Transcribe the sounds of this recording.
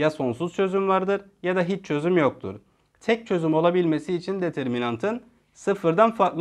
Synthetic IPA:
jaso̞nsuz̥t͡ʃʰø̞zymvaɾd̪ɯɾjad̪aɦit͡ʃt͡ʃʰø̞zymjok̚t̪ʰṵɾ̥ | t̪ʰɛc̚t͡ʃʰø̞zymo̞lˠabilʲme̞siːt͡ʃʰind̪e̞t̪ʰɛɾminant̪ʰɯn | sɯfɯɾd̪anfaɾk̪lˠ

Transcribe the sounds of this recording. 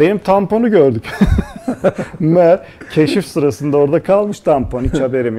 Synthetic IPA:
be̞nimt̪ʰampo̞nuɟøɾd̪yc | mæɾ | cʰe̞ʃifsuɾasɯnd̪aoɾd̪akʰalˠmɯʃt̪ʰampʰonit͡ʃʰabe̞ɾim

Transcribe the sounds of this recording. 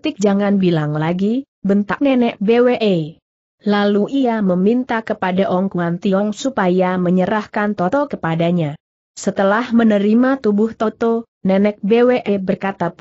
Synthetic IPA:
t̪ɪk̚d͡ʒaŋanbilaŋlaɡi | bənt̪ak̚nɛnɛk̚beweʔe | laluʔiaməmint̪akəpadaʔɔŋkuant̪iɔŋsupajaməɲəɾahkant̪ɔt̪ɔkəpadaɲa | sət̪əlahmənəɾimat̪ubʊht̪ɔt̪ɔ | nɛnɛk̚beweʔebərkat̪ap

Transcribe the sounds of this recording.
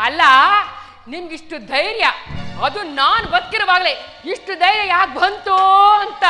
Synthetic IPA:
ɐlːɐ | nimɐɡiʂʈud̪ʱɐjɾjɐɐd̪unaːnbɐt̪̚kiɾɐʋaːɡleiʂʈud̪ʱɐjɾjɐjaːkbʱɐnt̪uɐnt̪ɐ

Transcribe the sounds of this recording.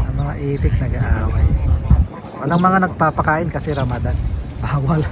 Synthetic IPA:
ʔɐŋmɐŋaʔɛːt̪ɪk̚nɐɡaʔaːwaj | wɐlɐŋmɐŋanɐɡ̚papɐkaːʔɪnkɐsɛɾɐmad̪aʔaːwal

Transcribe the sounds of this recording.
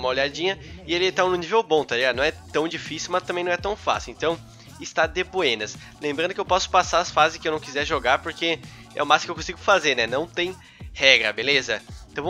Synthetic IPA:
mɐolʎad͡ʒĩɲɐɪelɪt̪anʊ̃nivewbõt̪ad͡ʒianɐ̃w̃ɛt̪ɐ̃w̃d͡ʒifisiwmɐst̪ɐmbẽj̃nɐ̃ɛt̪ɐ̃w̃fa̰siwẽnt̪ɐ̃w̃ | ɪst̪ad̪epoẽnɐs | lẽmbɾɐ̃nd̪ʊkewpɔsʊ̥pasaɾɐsfazɪskɪewnɐ̃w̃kizɛɾʒoɡaɾpoɾke | ɛ̰ʊmaskewkõsiɡʊfazeɾnɛnɐ̃w̃t̪ẽj̃ | hɛɡɾɐbelezɐ̃t̪ɐ̃w̃

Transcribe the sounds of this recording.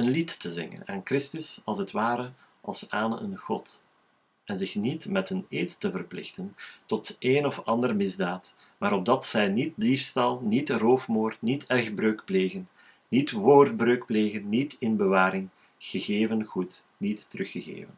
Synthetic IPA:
ənlitːəzɪ̰ŋə̰na̰ːnkrɪstʏsɑlˠzətwaːɾə | ɑ̰lˠsaːnə̰ʔə̰nɣɔt | ɛnzɪxnitmɛtɦəneːtːəvərplɪ̰xtəntɔtʔeːnɔfɑndərmɪzdaːt | maːɾɔb̚dɑtsɛjnit̚difstɑlˠnitroːfmoːrtnitɛxbrøːkpleːɣənː | itʋoːrd̚brøːkpleːɣənːitɪnbəʋaːɾɪŋ | ɣ̥əɣeːvənɣut | nitːərɵxəɣḛːvən

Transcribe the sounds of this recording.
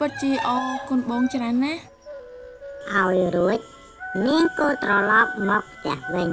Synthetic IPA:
pɨt̪̚t͡ɕiəʔɑːkʊənɓoːŋt͡ɕraənːa | ʔaɔjruəc̚ | niəŋkoːlt̪rɑlɑp̚mɔːk̚pʰt̪ɛ̆əhʋɨɲ

